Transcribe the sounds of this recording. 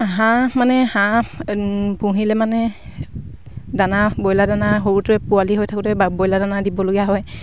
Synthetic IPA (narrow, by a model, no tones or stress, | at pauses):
ɦãmanɛhã | pũɦilɛmanɛ | danabojladanaɦoɹutʊɛpualiɦojtʰakutɛabɔjladanadibɔloɡijaɦɔj